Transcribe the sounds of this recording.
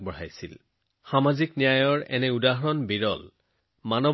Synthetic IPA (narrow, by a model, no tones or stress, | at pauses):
bɔɹajsḭl | xamaziknijajɔɹɛ̰nɛudaɦɔɹɔnbiɹɔl | manɔ